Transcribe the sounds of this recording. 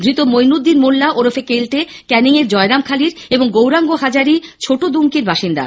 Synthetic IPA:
d̪ɾit̪omojnud̪ːinmolːaʔoɾofekelʈe | kɛniŋeɾd͡ʑɔeɾamkʰaliɾeboŋɡowɾaŋɡoɦad͡ʑaɾit͡ɕʰoʈod̪uŋkiɾbaʃind̪a̰

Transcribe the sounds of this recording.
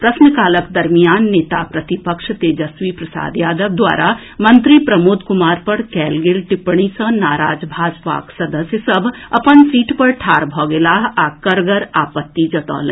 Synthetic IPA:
pɾɐsnəkaːləkd̪ɐɾmijaːnːeːt̪apɾɐt̪ipəkʃt̪ed͡ʒɐsʋipɾɐsa̰ːd̪jaːd̪əʋd̪wa̰ːɾʔa | mɐ̃nt̪ɾipɾɐmoːd̪kʊmaːɾpɐɽkɛːlɡɪlʈɪpɳ̃isɐ̃naːɾa̰ːd͡ʒbʱaːd͡ʒpa̰ːksɐd̪əsjəsɐbʱɐpənsiːʈpɐɾʈʰaːɾbʱɔːɡelaːɦaːkəɾɡəɾaːpət̪ːid͡ʒɐt̪ɔ̰ːlḛ̃

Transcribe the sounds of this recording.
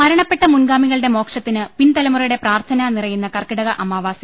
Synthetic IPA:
mɐɾɐɳɐpːe̞ʈːɐmunɡaːmiɣɐɭɨɽe̞mo̞ːkʂɐt̪ːinɨpint̪ɐlɐmurɐjuɽe̞praːrt̪ʰɐnɐnirɐjunːɐkɐrkiɽɐɣɐʔɐmaːʋaːsi

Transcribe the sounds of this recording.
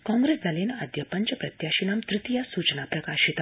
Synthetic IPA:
kɔ̃ŋɡɾesd͡zʱalenad̪jəpəɲt͡ɕəpɾət̪jaɕinamt̪ɾit̪ijasut͡ɕnapɾəkaɕit̪

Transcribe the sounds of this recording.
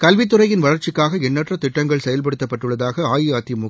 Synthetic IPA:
kɐlʋɪt̪̬ːɯrɐjɪnʋɐɭɐɾt͡ʃɪkːaːɣɐɛnːɐʈrɐt̪ɪʈːɐŋɡɐɭsɛjɐlp̬ɐɽɯt̪ːɐpːɐʈːɯɭːɐðaːɣɐaːjɪjaːt̪imʊ

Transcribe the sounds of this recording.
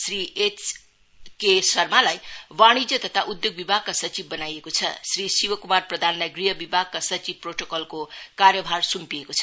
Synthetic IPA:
sriʔet͡s | kesʌrmalajwaɽ̃id͡zʌt̪ʌt̪ʰaʔud̪joɡ̚bibʱaɡ̚kasʌt͡sibbʌnajekot͡sʰʌ̰srisiwʌkumarprʌd̪ʱanlajɡriɦʌbibʱaɡ̚kasʌt͡sib̚proʈokʌlkokarjʌbʱarsumpiekot͡sʰʌ

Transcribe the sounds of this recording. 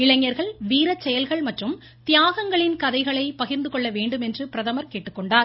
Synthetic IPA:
ɪɭɐŋːɐɾɣɐɭʋiːɾɐt͡ʃːɛjɐlɣɐɭmɐʈrɯm | t̪ɪjaːɣɐŋɡɐɭɪnkɐðɐɪɣɐɭɐɪpɐɣɪɾnd̪ɯkɔɭːɐʋeːɳɖɯmɛndrɯpɪɾɐðɐmɐɾkeːʈːɯkːɔɳɖaːɾ

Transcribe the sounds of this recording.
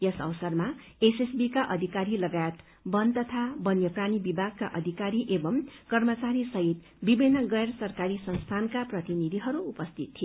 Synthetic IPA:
jʌsʌ̰wsʌrma | esesbikaʔʌd̪ʱikaɾilʌɡajet̪ | bʌnt̪ʌt̪ʰabʌnjʌpranibibʱaɡkaʔʌd̪ʱikaɾiʔebʌmkʌrmʌt͡saɾisʌɦit̪ | bibinːʌɡʌersʌrkaɾisʌnst̪ʰankaprʌt̪inid̪ʱiɦʌɾuːpʌst̪ʰit̪ʰːi

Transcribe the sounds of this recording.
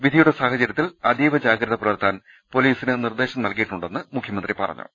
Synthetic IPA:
ʋid̪ʱijuɽesaːhɐt͡ɕɐɾjɐt̪ːilɐd̪iːʋɐd͡ʑaːɡɾɐðɐpɾɐʋɐrt̪ːaːn | po̞liːsinɨnird̪e̞ːɕɐmnɐlkijiʈːuɳɖe̞nːɨmukʰjɐmɐnd̪ripɐ̰rɐ̰ɲːṵ

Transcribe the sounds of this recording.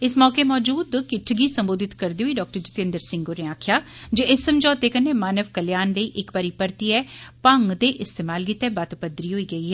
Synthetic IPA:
ɪsmɔːkeːmɔːd͡ʒuːd̪kɪʈʰɡiːsəmboːd̪ɪt̪kəɾd̪eːɦuiːɖɔːk̚ʈəɾd͡ʒɪt̪ẽnd̪əɾsɪ̃ŋɡoːneaːkʰjaːd͡ʒeɪsːəmd͡ʒɔːt̪eːkənːeːmaːnəʋkəljaːnləiːʔɪkbaːɾiːpəɾt̪iːɛːpəŋɡd̪eːʔɪst̪eːmaːlkit̪ːɛːbaːt̪pəd̪ɾiːɦoːiːɡəiːɦɛː

